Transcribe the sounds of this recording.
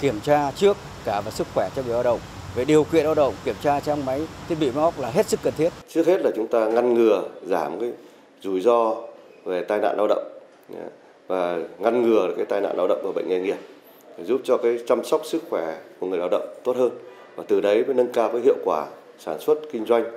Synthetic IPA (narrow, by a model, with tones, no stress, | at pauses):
ki˧˩əmt͡ɕaː˧t͡ɕɨ˦˥ək̚ːaː˧˩vaː˨˩sɨ˦˥k̚xwɛ˧˩t͡ɕɔ˧ŋɨ˨˩jla˧wɗə̰˧˨wŋ͡m | ve˨˩ɗi˨˩əwkḭ˧˨ənlaː˧wɗə̰˧˨wŋ͡mki˧˩əmt͡ɕaː˧t͡ɕa˧wŋ͡mma˨˦jt̪ʰi˦˥t̚ɓḭ˧˨ma˨˦ha˦˥k͡p̚laː˨˩ɦe˦˥t̚sɨ˦˥kːə˨˩nt̪ʰi˦˥ət̚t͡ɕɨ˦˥ək̚he˦˥t̚laː˨˩t͡ɕʊ˨˦ŋ͡mt̪aː˧ŋa˧nŋɨ˨˩əzaː˧˩mkaː˨˦j | zu˧˩jzɔ˧ | ve˨˩t̪aː˧jna̰ː˧˨nlaː˧wɗə̰˧˨wŋ͡m̰ | vaː˨˩ŋa˧nŋɨ˨˩ə˨˩kaː˨˦jt̪aː˧jna̰ː˧˨laː˧wɗə̰˧˨wŋ͡mvaː˨˩ɓə̰˧˨ŋ̟ŋɛ˧˩ŋi˨˩əp̚ | e˨˩zu˦˥p̚t͡ɕɔ˧kaː˨˦jt͡ɕa˧msa˦˥k͡p̚sɨ˦˥k̚xwɛ˧˩ku˧˩əŋɨ˨˩əjlaː˧wɗə̰˧˨wŋ͡mt̪o˦˥t̚həː˧n | vaː˨˩t̪ɨ˨˩ɗə˨˦jvəː˨˦jnə˧nkaː˧vəː˨˦ɦḭ˧˨əwkwaː˧˩ | saː˧˩nswə˦˥t̚kï˧ŋ̟zwa˧jŋ̟